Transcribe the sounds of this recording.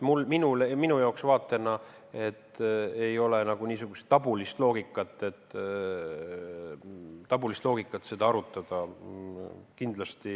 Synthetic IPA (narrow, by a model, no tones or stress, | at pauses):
mulminuleminujɑoksvɑːt̪ːˑe̞nɑ | e̞t̪ːejo̞lenɑɡ̥uniːsuɡ̥use̥t̪ːɑbulist̪lo̞ːɡ̥ikːˑɑt̪ːˑe̞t̪ːˑ | t̪ɑbulist̪lo̞ːɡ̥ikːˑɑt̪ːse̞d̪̥ɑɑɾut̪ːˑɑd̪̥ɑ | kind̪lɑst̪i